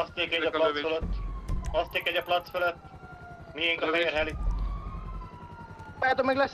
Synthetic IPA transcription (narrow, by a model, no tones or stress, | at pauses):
ɒst̪eːkɛɒplɒsføløt̪ːɒst̪eːkɛɟɒplɒt̪sføløt̪ː | mijeŋkɒfɛjeːɾɦɛli | baat̪omɛɡlɛs